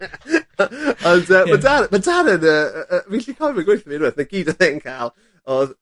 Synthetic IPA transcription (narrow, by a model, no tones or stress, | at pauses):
ɔndəmadaɾmadaɾənəːəvinɬikʰɔmaɡwejθəniɾɛðnəɡ̥iːdəθɛnkʰalˠ | ɔð